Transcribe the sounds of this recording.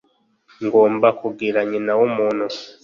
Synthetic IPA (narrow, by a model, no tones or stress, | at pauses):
ŋɡo̞ːmbakuɡiɾaɲinawomuːnhu